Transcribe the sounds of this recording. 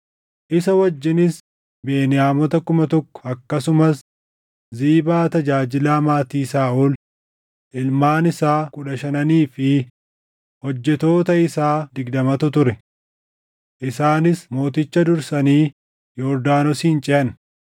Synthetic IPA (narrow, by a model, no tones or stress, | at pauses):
ʔɪsɐwɐd͡ʒːɪnɪs | be̞ːnɪjaːmɔt̪ɐkʊmɐt̪ɔkːɔ̥ɐkːɐsʊmɐs | ziːbaːt̪ɐd͡ʒaːd͡ʒɪlaːmaːt̪iːsaːʔul | ʔɪlmaːnɪsaːkʼʊᶑɐʃɐnɐniːfɪ | hɔd͡ʒːɛt̪o̞ːt̪ɐɪsaːd̪ɪɡd̪ɐmɐt̪ʊt̪ʊɾɛ | ʔɪsaːnɪsmo̞ːt̪ɪt͡ʃːɐd̪ʊɾsɐniː | jɔɾd̪aːnɔsiːnt͡ʃʼɪɐn